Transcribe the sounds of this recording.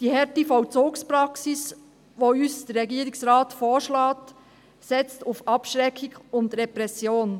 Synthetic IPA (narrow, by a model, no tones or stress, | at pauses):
d̥iːhɛɾtifɔlt͡soːkspɾɑksɪs | ʋoːyːsd̥ɛɾʁɛɡiːɾɪksɾɑːtfoːʃlɑːt | sɛt͡stufʔɑpʃʁɛkʰːɪɡʊndɾɛpɾɛsjoːn